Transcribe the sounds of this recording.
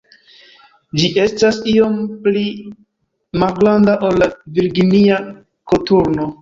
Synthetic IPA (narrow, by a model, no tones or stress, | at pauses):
d͡ʒiʔe̞stasio̞mpli | malɡlandaʔo̞lːaviɾɡinia | ko̞tuɾno̞